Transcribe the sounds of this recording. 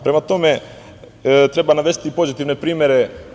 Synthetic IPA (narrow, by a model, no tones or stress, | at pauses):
pɾemat̪o̞me | t̪ɾebanaʋesi̥t̪ipo̞zit̪iʋnepɾiːmʲjeɾe